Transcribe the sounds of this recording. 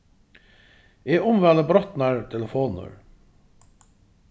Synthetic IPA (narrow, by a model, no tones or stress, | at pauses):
eːʔʊmʋæləbɾɔt̪næɹt̪ʰɛləfoːnə̰ɹ